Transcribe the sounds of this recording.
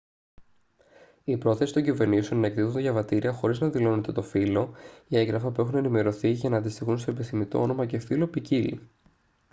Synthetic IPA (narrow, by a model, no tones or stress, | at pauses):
ipɾo̞θe̞si̥t̪o̞ɲɟive̞ɾnisio̞nnɐekt̪iθund̪eʝɐvɐt̪iɾiɐxo̞ɾiznɐðilo̞net̪e̞t̪o̞filo̞ie̞ŋɡɾɐfɐpue̞xune̞nime̞ɾo̞θiʝɐnɐːnd̪ist̪ixunst̪oepiθimit̪o̞̰ono̞mɐce̞filo̞picilḭ